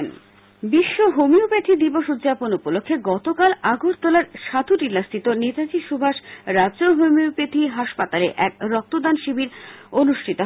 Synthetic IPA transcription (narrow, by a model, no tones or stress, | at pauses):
n | biʃːoɦomiupet̪ʰid̪iboʃud̪ːʑaponupolokʰːeɡɔt̪okalaɡʱoɾt̪olaɾʃad̪ʱuʈilːast̪ʰit̪onet̪ad͡ʑiʃubʱaʃɾadːd͡ʑoɦomiopet̪ʰiɦaʃpat̪aleʔɛkɾɔk̚t̪od̪anʃibiɾonuʃʈʰit̪o